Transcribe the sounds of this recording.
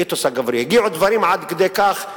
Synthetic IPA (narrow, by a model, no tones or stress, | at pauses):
it̪osaɡavɾijaɡiʕud̪vaɾimʕad̪ked̪ejkaχ